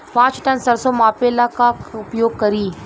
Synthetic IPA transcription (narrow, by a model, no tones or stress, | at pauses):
pãːt͡ʃʈɐnsɐɾsomaːpeːlakaʊpjoːɡ̚kɐɾiː